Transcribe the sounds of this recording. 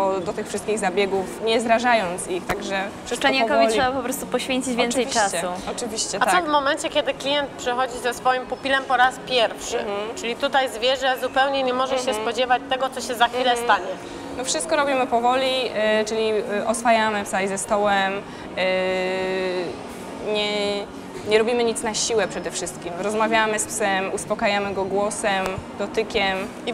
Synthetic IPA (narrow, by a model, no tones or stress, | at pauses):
ɔd̪ɔt̪ɘxfʂɘst̪̚kʲiɣzabʲjɛɡufɲɛzɾaʐajɔnt̪sixt̪aɡʐɛfʂspaɲakɔvʲitʂɛbapɔpɾɔst̪upɔɕfʲeɲt͡ɕid͡ʑvjɛnsɛjt͡ʂat͡ɕsɛuɔt͡ʂɨvʲiɕt͡ɕɛtat̪ɔvmɔmɛɲt͡ɕɛkʲɛd̪ɘklʲijɛnt̪̚pʂɛxɔd͡ʑizɛsfɔjimpupʲilɛmpɔɾaspʲjɛɾfʂɘ̰t͡ʂɘlʲit̪ut̪ajzvʲjɛʐɛzupɛwɲɛɲɛmɔʐɛɕɛspɔd͡ʑɛvat͡ɕt̪ɛɡɔt̪sɔɕɛzaxfʲilɛst̪aɲɛ | nɔfʂɨst̪̚kɔɾɔbʲimɘpɔvɔlʲit͡ʂɘlʲiʔɔsfajamɘpsajzɛst̪ɔwɛm | ɲɛ | ɲɛɾɔbʲimɘɲit̪snaɕiwɛpʂɛd̪ɛfʂɘst̪̚kʲimɾɔzmavʲjamɘspsɛmuspɔkajamɘɡɔɡwɔsɛmd̪ɔt̪ɘkʲɛm | i